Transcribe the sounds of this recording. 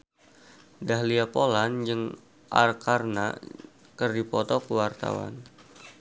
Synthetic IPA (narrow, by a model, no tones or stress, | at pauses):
daɦliapoland͡ʒɨŋ | ʔa̰rkarna̰ | kərdipɔt̪ɔkəwart̪a̰wa̰n